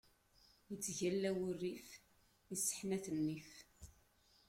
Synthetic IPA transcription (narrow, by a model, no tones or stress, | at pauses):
jət͡sːʝælːæwʊrːif | isːə̥ħnæθənːif